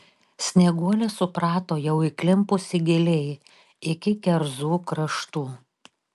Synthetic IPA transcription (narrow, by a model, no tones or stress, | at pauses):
sʲnʲɛɡuɔlʲɛsʊpɾɑːt̪oːjɛʊɪkʲlʲɪmpʊsʲɪɡʲɪlʲɛj | ɪkʲɪkʲɛɾzuːkɾɐʃt̪uː